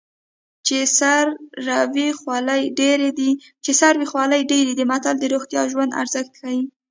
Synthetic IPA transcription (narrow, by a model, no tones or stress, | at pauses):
t͡ʃesaɾːawixwɑlajɖeɾed̪i | t͡ʃesaɾwixwɑləjɖeɾid̪əmat̪ald̪əɾoɣt̪jɑ̰ʒwand̪a̰ɾz̥əxt̪̚kawi